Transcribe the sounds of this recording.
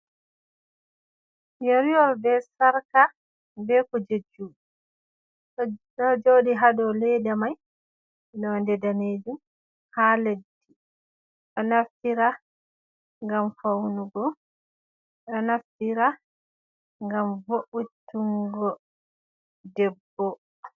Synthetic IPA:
joɾiɔɾbɛsaɾka | bɛkɔd͡ʒed͡ʒːu | ɗɔd͡ʒoɗiɦadɔlɛdamaj | nɔndɛdaneːd͡ʒum | haːledːi | ɗɔnaftiɾa | ŋɡamfawnuɡɔ | ɗɔnaftiɾa | ŋɡamvoʔutːuŋɡɔ | dɛbːɔ

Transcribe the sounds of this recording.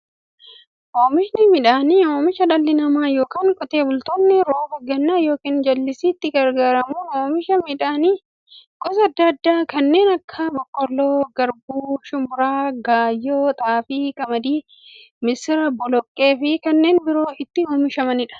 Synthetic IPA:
ʔoːmɪʃnɪmɪᶑaːnioːmɪʃɐᶑɐlːɪnɐmaːjo̞ːkaːŋkʼɔt̪e̞ːbʊlt̪oːnːɪɾoːfɐɡɐnːaːjo̞ːkiːnd͡ʒɐlːɪsiːt̪ːɪɡɐɾɡaːɾɐmuːnoːmɪʃɐmɪᶑaːniː | ɡ̥ɔsɐd̪ːɐɐd̪ːaːkɐnːe̞ːnɐkʰːaːbɔkːɔlːoːɡɐɾbuːʃʊmʊɾaːɡaːjːoːt̪ʼaːfɪkɐmɐd̪iː | mɪsɪɾɐbːɔlɔkʼːe̞ːfɪkɐnːe̞ːnbɪɾoːʔɪt̪ːɪhoːmɪʃɐmɐnɪᶑɐ̥

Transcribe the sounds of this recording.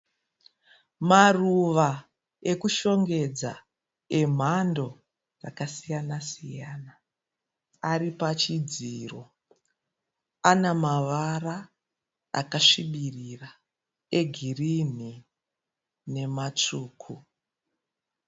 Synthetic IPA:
maruʋa | e̞kuʃo̞ŋɡe̞d͡za | e̞m̤ando̞ | ra̰kasijanasijana | aɾipat͡ʃid͡ziːro̞̰ | anamaʋara | a̰kaʂiɓirira | e̞ɡʱirin̤i | ne̞mat͡ʂuːkʰu

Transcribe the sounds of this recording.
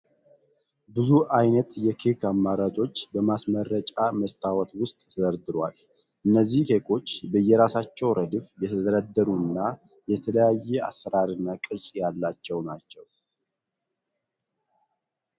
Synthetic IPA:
bɨzuʔajnət̪jɛkʰekʰamːaɾat͡ʃʼo̞t͡ʃːbəmasməɾːət͡ʃʼaməst̪ʰawɔt̪wʊst̪ʼʰːəzəɾd̪ɨɾwa̰l | ʔɨnːəzːihkekʰo̞t͡ʃːbəjːɛɾasat͡ʃːɛwɾʔəd̪ɨfjɛt̪ʰəzəɾəd̪ːəɾuɨnːa | jɛt̪ʰələjajːɛa̰sːəɾaɾɨnːakʼɨɾsʼjalːat͡ʃːɛwnat͡ʃːɛw

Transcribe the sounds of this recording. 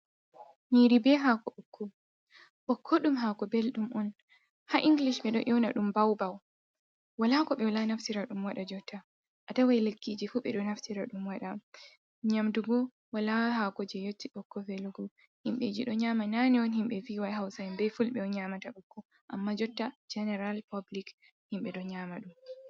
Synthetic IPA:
niɾibɛɦakɔɓɔkʰːɔ | ɓɔkʰːɔɗumɦakɔbelɗumʔɔn | haʔiŋɡliʃɓɛɗɔʔɛwnaɗumbawbaw | walakɔɓɛwalanaftiɾaɗumwaɗad͡ʒɔtːa | ʔatawajlekːid͡ʒifuːɓɛɗɔnaftiɾaɗumwaɗa | ɲamduɡɔ | walahakɔd͡ʒɛjotːiɓɔkːɔfɛluɡɔ | himɓed͡ʒiɗɔɲaːmananiɔnhimɓɛfiwajɦawsajɛmbɛfulɓɛɔɲamataɓɔkːɔ | ʔa̰mːad͡ʒɔtːad͡ʒɛnɛɾalpablik | himɓɛɗɔɲaːmaɗum

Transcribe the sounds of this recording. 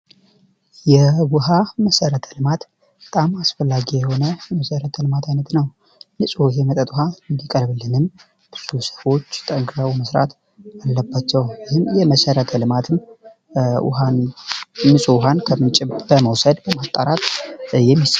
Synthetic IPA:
jɛwʊɦaməsəɾət̪ʰə̥lɨmat̪ | bət̪ʼamasfəlːaɡijɛho̞nəjɛməsəɾət̪ʰəlɨmat̪ʰajnət̪nəw | nɨsʼuhemət̪ʼət̪ʼuɦaɨnd̪ikʼəɾβɨlːɨnɨn | b̥ɨz̥usə̥fo̞t͡ʃːt̪ʼəŋɡɾəwməsɾa̰t̪ | alːəbːat͡ʃːɛwjɪhɨmjɛməsəɾət̪ʰəlɨmat̪ʰɨm | wʊ̰han | mɨsʼuwɦankʰəmɨnt͡ʃʼɪbəməwsəd̪bəmat̪ʼːaɾat̪jɛmːis

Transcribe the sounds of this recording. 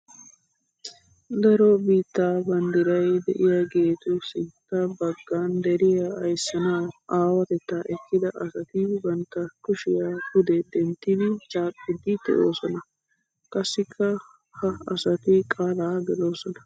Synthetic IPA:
d̪ɐɾobiːt̪ːaːbɐnd̪ɪɾɐjd̪ɛ̰ʔɪjaɡe̞ːt̪ʊsɪnt̪ːɐbɐɡːaːnd̪ɛɾɪjaɐjsːɐnaːaːwɐt̪ɛt̪ːaːʔɛkːɪd̪ɐʔɐsɐt̪ɪbɐnt̪ːɐkʊʃɪjaːkʊd̪ɛd̪ɛnt̪ːɪd̪ɪt͡ʃʼaːkʼːɪd̪ɪd̪ɛ̰ʔoːsɔnɐ | kʼɐsːɪkʰːɐ | hɐɐsɐt̪ɪkʼaːlaːɡɛd̪o̞ːsɔnɐ

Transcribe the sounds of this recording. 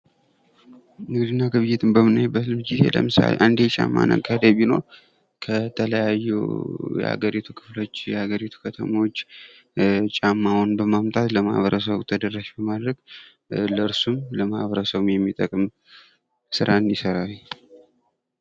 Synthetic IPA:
ɨŋɡɨd̪ɨnːaɡɨβɨjːɪt̪ʰɨmbəmɨnːajbːət̪lɨmd͡ʒize̞̰lə̰mɨsa̰lḛʔand̪et͡ʃʼa̰mːa̰nə̰kʼʰad̪ebino̞̰ɾ | kʰət̪ʰələjajːṵjɛ̰ha̰ɡəɾit̪ʰukʰɨflo̞t͡ʃːjɛhaɡəɾit̪ʰu̥kʰət̪ʰə̰mot͡ʃː | t͡ʃʼamːawunbəmamt̪ʼat̪ləma̰hβəɾəs̬əβut̪ʰəd̪ərːaʃbəmad̪ɾəɡ | ləɨɾsumləmahβəɾəsəβɨmjɛmːit̪ʼəkʼɨm | sɨɾaɨnisəɾaw

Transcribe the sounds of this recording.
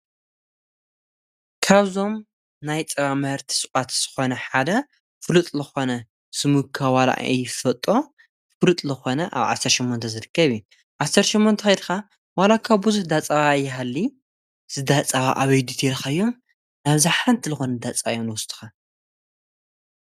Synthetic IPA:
kʰaβzo̞m | najt͡sʼɐβamɐhɨɾt̪ʰi̥sʼɨʔʼat̪z̥ɨ̥xo̞nɐħad̪ɐ | fɨlut̪ʼlɨxo̞nɐ | sɨmukʰːawala̰ʔjɪfɐt̪ʼo̞ | fɨlut̪ʼlɨxo̞nɐʔa̰βʕa̰sːɐɾʃɛmːont̪ʰɐzɨɾɨkʰːɐβju | ʕasɐɾt̪ʃɛmːont̪ʰɐxɐjd̪xa | walakʰaβbuzuhd̪at͡sʼaβajːɪɦalːi | z̥ɨd̪at͡sʼaβa̰ʔaβɐjd̪it̪ʰeɾxaɨjːo̞m | naβzaħɾɐnt̪ʰilɨxonɐd̪at͡sʼajomnɨwʊst̪ʰʼɨ̥xa

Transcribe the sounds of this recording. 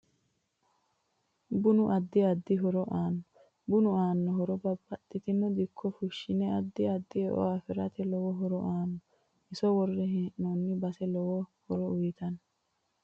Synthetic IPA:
bʊnʊʔɐd̪ːɪɐd̪ːɪɦɔɾɔʔaːnːɔɔ | bʊnʊaːnːɔɦɔɾɔbɐbːɐt̪ʼːɪt̪ɪmːɔd̪ɪkʰːɔfʊʃːɪnɛɐd̪ːɪɐd̪ːɪɛʔɔ̰afɪɾɐt̪ɛlɔwɔɦɔɾɔ̰ʔaːnːɔ | ɪsɔwɔrːɛɦɛːʔnɔnːɪbɐsɛlɔwɔhɔɾɔʊjɪt̪ɐnɔ

